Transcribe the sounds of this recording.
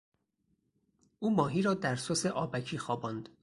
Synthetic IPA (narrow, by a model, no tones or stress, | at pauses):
ʔuːmɒːɦiːɾɒːd̪æɾsoseʔɒːbæcʰiːxɒːbɒːnd̪̥